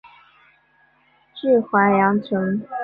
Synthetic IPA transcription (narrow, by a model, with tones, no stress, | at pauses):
ʈ͡ʂɻ̩˥˩xwa˧˥jɑ˧˥ŋt͡sʰɤ˧˥ŋ